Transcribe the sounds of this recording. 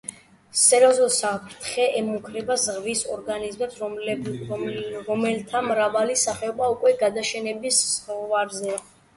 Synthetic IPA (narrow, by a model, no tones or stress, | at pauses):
sɛɾɔzulˠsapʰɾt̪ʰχɛʔɛmukʰɾɛbazʁvisɔɾɡanizmɛps | ɾɔmɛlt̪ʰamɾavalisaχɛɔbaukʼwɛɡad̪aʃɛnɛbissɔvaɾzɛ